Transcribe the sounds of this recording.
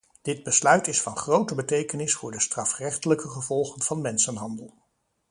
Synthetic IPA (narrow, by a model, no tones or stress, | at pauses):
d̥ɪd̚bəslœɥtɪsfɑnχrowtəbətejkənɪsfʊːɹdəstrɑfrɛχtələkəχəvɔlˠχənv̥ɑnmɛnsənɦɑndəlˠ